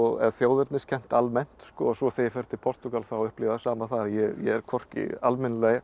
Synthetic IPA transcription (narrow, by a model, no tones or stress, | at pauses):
ɔɛ̰ðθjoːwðʏɾt̪nɪscʰɛm̥t̪almɛn̥t̪skɔsɔθejfɛɾ̥t̪ɪpʰɔr̥t̪ʏɣalfɾaaʏhplɪvasaːmaθaðjɛjɛ̰ɛɾ̥kʰɔr̥cɪ̰almɪnleɣ